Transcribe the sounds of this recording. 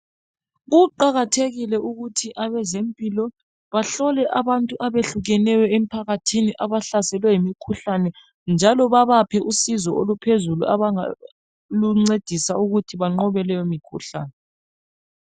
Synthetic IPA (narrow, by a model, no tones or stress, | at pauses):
ɣuǃaɣatʰeɣilɛʔuɣutʰiʔaβɛzempʼilɔ | βaɬɔlɛʔaβantʼuʔaβeɬuɣɛnɛjɛem̩pʰaɣatʰiniʔaβaɬasɛlwɛjimikʰuɬanɛ | nd͡ʒʱalɔβaβapʰɛʔusizɔʔolupʰezulṵʔa̰βaa | luŋ͡ǀed̥ʱisauɣutʰiβaŋ͡ǃɔβɛlɛjomikʰṵɬaːnɛ